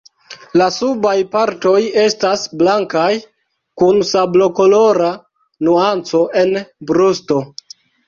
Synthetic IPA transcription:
lasubajpaɾto̞je̞stasblaŋkaj | kunsablo̞ko̞lo̞ɾa | nuant͡so̞ʔenbɾusto̞

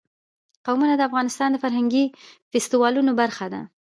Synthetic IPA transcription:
qawmunad̪əafɣɑnɪst̪ɑnd̪əfaɾɦaŋɡifɪst̪iwɑlunobaɾxad̪a̰

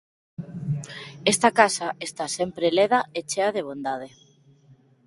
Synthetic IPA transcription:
est̪akasaʔest̪asempɾeleðaet͡ʃeað̞eβ̞ond̪að̞e

